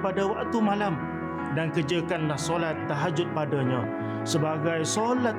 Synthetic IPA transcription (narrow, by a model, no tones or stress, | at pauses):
padawaʔt̪umãlam | dankəd͡ʒakanlahsolat̪ːəɦad͡ʒʊt̪̚padaɲã | səbaɡajsola